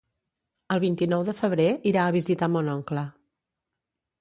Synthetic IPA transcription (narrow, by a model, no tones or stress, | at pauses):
əlˠβ̞int̪inɔwðəfəβ̞ɾeʔiɾaəβ̞izit̪amonɔŋklə